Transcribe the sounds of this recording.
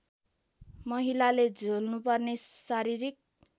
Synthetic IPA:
mʌɦilaled͡zʱolnupʌrnesaɾiɾik̚

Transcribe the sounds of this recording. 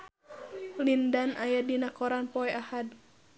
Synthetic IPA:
lindanʔajadinakɔɾanpɔɛʔahad

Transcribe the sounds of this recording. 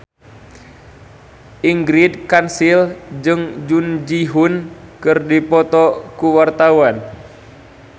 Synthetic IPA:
ʔiŋɡɾid̚kansild͡ʒɨŋd͡ʒund͡ʒiɦunkɨrdipɔt̪ɔkuwart̪awan

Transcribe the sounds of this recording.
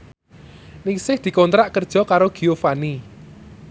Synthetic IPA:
nɪŋsɪhd̪̥i̤kɔnt̪ɾaʔkərd̥ʒ̥ɔ̤kaɾoɡ̥iofani

